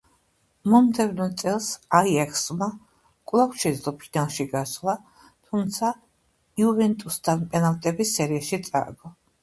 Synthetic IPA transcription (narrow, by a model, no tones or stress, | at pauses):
mɔmd̪ɛvnɔt̪sʼɛlˠsaiɛkʰsma | kʼlˠakt͡ʃʰɛd̪zlˠɔpʰinalˠʃiɡaslˠa | t̪ʰumt̪sʰa | iuvɛnt̪ʼust̪ʰanpʼɛnalˠt̪ʼɛbisɛɾiaʃit̪sʼa̰ɡɔ